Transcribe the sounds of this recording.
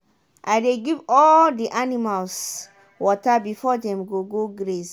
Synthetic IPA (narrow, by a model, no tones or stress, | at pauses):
ʔajdeɡivɔldiʔanimals | wɔtabifɔdɛ̃mɡoɡoɡɾes